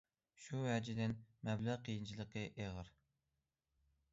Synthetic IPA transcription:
ʃuwæd͡ʒid̪ɪnmɛblæʁqijint͡ʃʰilˠəqəʔeʁəɾ

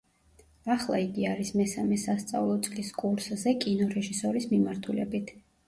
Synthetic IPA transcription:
aχlˠa̰iɡiaɾismɛsamɛsast̪sʼa̰vlˠɔt̪sʼliskʼuɾszɛkʼinɔɾɛʒisɔɾismimaɾt̪ʰulɛ̰bit̪ʰ

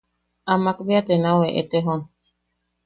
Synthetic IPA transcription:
amakbiat̪enãweʔḛt̪eɦon

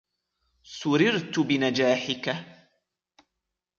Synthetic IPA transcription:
sʊɾɪɾt̪ʊbɪnad͡ʒaːħɪka

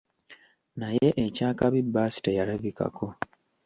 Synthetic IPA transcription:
naje̞ʔecaːkaβibːaːsi̥tejalavika̰ko̞

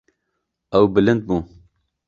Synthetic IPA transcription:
ɛwbɨlɨnd̪̚buː

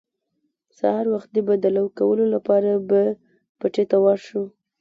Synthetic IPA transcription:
sa̰hɑɾwaxt̪̚d̪əbad̪alawkawəlolapɑɾaba | paʈet̪awɑʃu

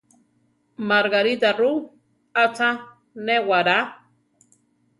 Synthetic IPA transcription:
maɾɣaɾit̪aru | at͡sa | newaɾa

